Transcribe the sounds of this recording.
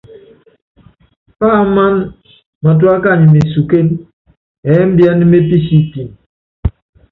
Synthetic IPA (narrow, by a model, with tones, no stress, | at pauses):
faː˦˨˦ma˦n | ma˨t̬u˦a˦ka˦˨ɲi˨me˨su˨ke˦n | ɛ˨˦m̩˦bja˦ni˦me˦pi˦si˦˨ti˨n